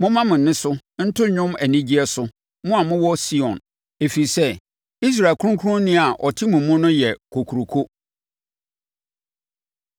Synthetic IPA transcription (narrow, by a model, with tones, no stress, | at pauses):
mʊ̃˦mã˦mɪ̃˨nːɪ̃˦sʊ˦n̩˦tʰʊ˦ɲᶣʊ̃˦mæ˨nĩ˦d͡ʑi˦ɛ˦sʊ˦ | mʊ̃˦a˨mʊ̃˦wɔ˦si˦ɔ̰̃˨n | e˨fi˨sɛ˦ | i˦s̬ɾa˨kʊ˦ɾʊ̃˦ŋkʰʊ˦ʊ̃˦nːɪ̃˦a˨ʔɔ˨tʰɪ˦mʊ̃˨mːʊ̃˦nʊ̃˦jɛ˨kʰo˨kʰu˨ɾo˨kʰo˦